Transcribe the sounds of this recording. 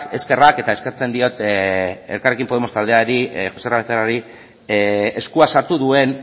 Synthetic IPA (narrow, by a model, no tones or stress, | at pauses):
e̞ske̞rake̞t̪ae̞ske̞ɾt͡se̞nd̪io̞t̪ | e̞ɾkare̞kimpo̞ð̞e̞mo̞st̪ald̪e̞aɾiʝo̞seraβeθt̪eraɾi | eskuasaɾt̪uðue̞n